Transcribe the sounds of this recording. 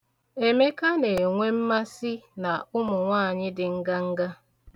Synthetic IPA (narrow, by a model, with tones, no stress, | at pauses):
e˨me˦ka˦ne˨ŋʷe˦m̩˦ma˦si˦na˨ʊ˦mʊ˨ŋʷaː˦˨ɲɪ˦dɪ˨ŋ̩˦ɡa˦ŋ̩˦ɡa˦